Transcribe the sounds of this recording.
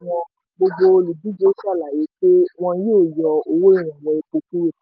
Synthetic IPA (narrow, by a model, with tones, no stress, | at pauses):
w̃ɔ̃˧ | ɡ͡bo˧ɡ͡bo˧o˧lu˨bi˨˦d͡ʒe˦sa˦˨la˨je˨˦k͡pe˦w̃ɔ̃˧˦jeː˦˨jɔ˧o˧wo˦i˦˨ɾ̃ã˨wɔ̃˧i˧k͡po˧ku˦ɾe˦˨